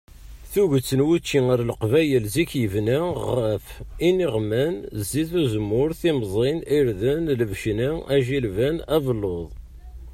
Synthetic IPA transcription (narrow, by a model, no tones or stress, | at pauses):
θuʝət͡sːənwut͡ʃːiaɾlqvæjəlzikjəvnæʁəfiniʁmænzːiθuzəmːʊɾθimzˤiniɾðənləvʃniæʒilvænævlːoðˤ